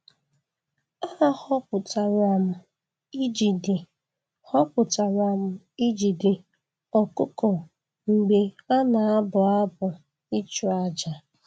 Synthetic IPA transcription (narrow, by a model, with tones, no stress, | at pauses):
a˦hɔ˦pʊ˨ta˨ɾa˨m̩˨ | i˦d͡ʒi˨de˨ | hɔ˦pʊ˨ta˨ɾa˨m̩˨ | i˦d͡ʒi˨de˨ | ɔ˨kʊ˦kɔ˨ | ŋ͡m̩˨ɡ͡be˨a˦na˨a˦bʊ˨a˦bʊ˨ | i˦t͡ʃu˨a˦d͡ʒa˨